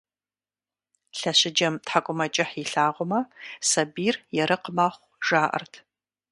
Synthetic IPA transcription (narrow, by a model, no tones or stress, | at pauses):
ɬɐɕɪd͡ʒɐmtħakʷʼʊmɐt͡ʃʼɪħiɬaːʁʷʊmɐsɐbiːrjɛɾɨqəmaːχʷ | ʒ̥aːʔɐ̰rtʰ